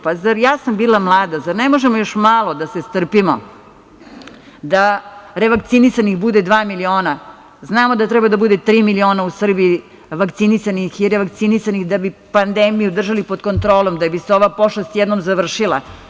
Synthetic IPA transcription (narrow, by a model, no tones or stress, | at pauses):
pazaɾjaːsambiːlˠamlˠaːd̪azaɾnemoʒemojoʃmaːlˠo̞d̪asest̪r̩pimo̰ | d̪aɾeʋakt̪sinisanixbud̪ed̪ʋaːmilio̞ːna | znaːmod̪at̪ɾɛbad̪abud̪et̪ɾiːmilio̞ːnausr̩bii | ʋakt̪sinisanixiɾeʋak̚t̪sinisanixd̪abipand̪emijud̪r̩ʒalipod̪ko̞nt̪ɾoːlˠomd̪abiseo̞ʋaposlost̪jɛd̪nomzaʋr̩ʃilˠa̰